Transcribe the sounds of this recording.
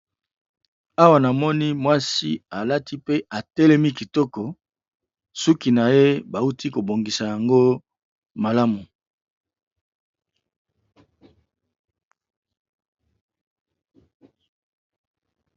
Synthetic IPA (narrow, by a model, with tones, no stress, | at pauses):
a˦wa˨na˨mɔ˦ni˦mwa˦si˦a˨la˦ti˦pe˦ʔa˨tɛ˦lɛ˦mi˦ki˨tɔ˦kɔ˨ | su˦ki˨na˨je˦ba˨u˦ti˦ko˨bo˨ŋɡi˨sa˨ja˨ŋɡo˦ | ma˨la˦mu˨